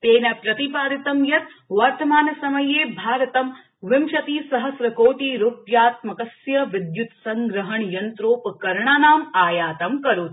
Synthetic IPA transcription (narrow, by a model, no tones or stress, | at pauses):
t̪eːnɐpɾɐt̪ipaːɾit̪ɐmjɐt̪ʋɐɾt̪ɐmaːnɐsɐmɐjeːbʱaːɾɐt̪ɐm | ʋɪmʃɐt̪iːsɐɦɐsɾɐkoːʈiːɾupjaːt̪mɐkɐsjɐʋɪd̪jut̪sɐŋɡɾɐɦɐɳjɐnt̪ɾoːpkɐɾɳaːnaːmaːjaːt̪ɐmkɐɾut̪